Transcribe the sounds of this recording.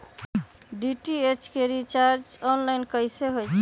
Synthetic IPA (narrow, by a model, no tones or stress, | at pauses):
ɖiʈiet͡ʃkeɾit͡ʃaɾd͡ʒɔnlajnkəjseɦojt͡ʃʰ